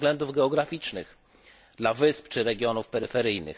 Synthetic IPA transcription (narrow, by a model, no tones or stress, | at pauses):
ɡlɛnd̪uvɡɛɔɡɾafʲit͡ʂnɘx | d̪lavɘspt͡ʂɘɾɛɡʲjɔnufpɛɾɘfɛɾɘjnɘ̰x